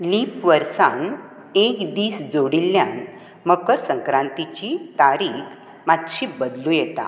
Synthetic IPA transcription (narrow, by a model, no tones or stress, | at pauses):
lipʋəɾsan | ekd̪iːsd͡zoɽilːjan | məkəɾsəŋkɾãnt̪it͡ɕit̪aɾik | mat̪ɕibəd̪lũjɛt̪a̰